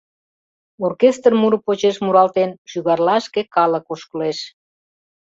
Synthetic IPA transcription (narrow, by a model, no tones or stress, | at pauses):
orkest̪rmuɾəpot͡ɕeʃmuɾɑlt̪enʃyɣɑrlɑʃkekɑlə̆koʃkəleʃ